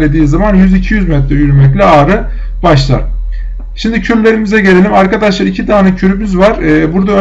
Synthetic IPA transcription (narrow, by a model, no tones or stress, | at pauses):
lʲed̪iːzamanjyzicʰijyzmɛt̪ɾɛyɾymɛc̬lʲɛaːɾɯ | baʃlˠa̰ɾ | ʃimd̪icʰyɾlʲe̞ɾimizɛɟe̞lʲelʲimaɾkad̪aʃlˠaɾicʰid̪aːnɯcʰyɾymyzvaɾ̥ɛːbuɾd̪aø